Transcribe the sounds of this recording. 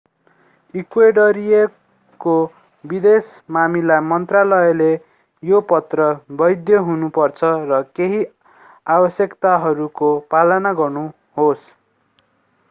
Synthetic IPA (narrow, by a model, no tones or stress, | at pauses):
ikweɖʌɾije | ko | bid̪esmamilamʌnt̪ralʌele | jopʌt̪rʌbʌjd̪jʌɦunupʌrt͡sʰʌrʌkeɦi | abʌsjʌkt̪aɦʌɾukopalʌnaɡʌrnu | ɦos